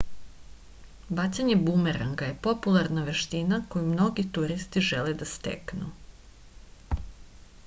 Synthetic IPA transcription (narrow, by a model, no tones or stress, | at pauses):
bat͡ɕsaɲe̞bumeɾaŋɡaje̞po̞pulˠaɾnaʋe̞ʃt̪inako̞jumno̞ɡit̪uɾist̪iʒeled̪ast̪ḛknṵ